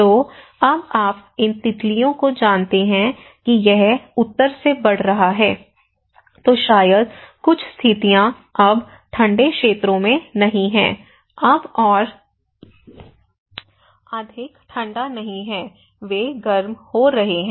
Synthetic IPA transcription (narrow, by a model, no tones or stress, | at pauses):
t̪oː | ɐbaːpɪnt̪ɪt̪lijõkod͡ʒaːnt̪eɦɛ̃ | kijɛɦʊt̪ːəɾsebɐɽ̤ɾɐɦaɦɛː | t̪oːʃaːjəd̪̚kʊt͡ʃʰst̪ʰɪt̪ijã | ɐb | ʈʰɐ̃ɳɖekʃeːt̪ɾõmẽnɐɦĩɦɛ̰̃ː | ɐbɔːɾ | ad̪ʱɪkʈʰɐ̃ɳɖanɐɦĩɦɛː | ʋeːɡɐɾmhoɾɐɦeɦɛ̃ː